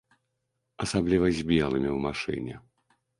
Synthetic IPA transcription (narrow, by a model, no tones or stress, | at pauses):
ɐsablʲivɐzʲbʲɛlˠɨmʲiwmaʂɨ̰nʲɛ̰